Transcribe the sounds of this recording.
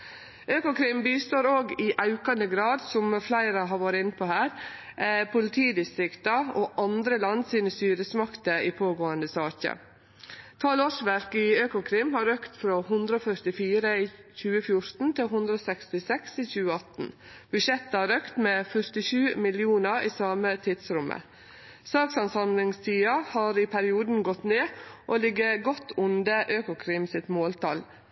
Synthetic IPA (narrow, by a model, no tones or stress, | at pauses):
ʔøːkʊkʰɾɪmbiːst̪oːɾoːɡɪʔɑʉkɑnd̪əɡɾɑːd̪sɔmflæɪɾəɦɑʋoːɾəɪnːəpʰɔhæːɾ | pʰʊlɪt̪ʰiːd̪ɪst̪ɾɪkt̪ɑoʔɑnd̪ɾəlɑnsiːnəst̪yːɾəsmɑkt̪əiːpʰoːɡoːənd̪əsɑːkə̰ | t̪ʰɑːlɔʂʋæɾkɪøːkʊkʰɾɪmhɑɾøːkt̪fɾoːhʉnd̪ɾəɔfœɾt̪ɪfiːɾəiçʉːəfjʊɾt̪n̩t̪ʰɪɦʉnd̪ɾəoːsɛkst̪ɪsɛkst̪ɪçʉːəɑt̪n̩ | b̥ʉʃɛt̪ːəɑːɾøːkt̪meːfœɾt̪ɪʃʉːmɪlɪuːnəɾiːsɑːmət̪ʰiːd̪sɾʊmʔə̰ | sɑːksɑnsɑmlɪŋst̪ʰiːɑhɑːɾiːpʰæɾɪuːd̪n̩ɡɔt̪neːʔoːlɪɡəɡɔt̪ːʊnd̪əʔøːkʊkʰɾɪmsɪt̪moːlt̪ʰɑ̰l